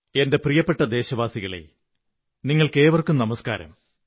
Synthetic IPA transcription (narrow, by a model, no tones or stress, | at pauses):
e̞nde̞prijɐpːe̞ʈːɐd̪e̞ːɕɐʋaːsiɣɐɭḛ | niŋːɐɭke̞ːʋɐrkumnɐmɐska̰ːɾɐ̰m